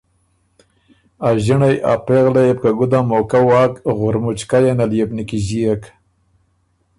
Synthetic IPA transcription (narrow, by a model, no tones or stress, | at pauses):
aʒiɳajʔa̰peɣlajep̚kaɡud̪amokawɑːkɣʊɾmʊt͡ʃkajanaljebnikiʑijak